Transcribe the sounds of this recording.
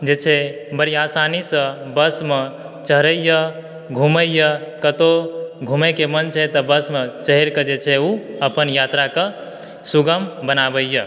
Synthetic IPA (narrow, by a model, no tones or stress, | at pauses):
d͡ʒet͡ʃʰɛbəɾiasanisə̃bəsme | t͡ʃəɦɾəjjə | ɡʱuməjjəkət̪oɡʱumekemənt͡ʃʰɛt̪əbəsmet͡ʃəɦeɾkəd͡ʒet͡ʃʰɛuəpənjat̪ɾakə | suɡəmbənabəjjə